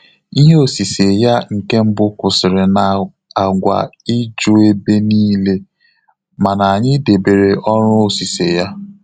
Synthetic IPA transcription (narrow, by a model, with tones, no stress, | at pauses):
i˦ɦe˦o˨si˨se˨ja˦ŋ̩˨ke˦m̩˦bʊ˦kʷʊ˨sɪ˨ɾɪ˨na˨ | a˨ɡʷa̰˨i˦d͡ʒʊ˦e˦be˦niː˦le˦ | ma˨na˨a˨ɲɪ˦de˨be˨ɾe˨ʔɔ˦ɾʊ˦o˨si˨se˨ja˦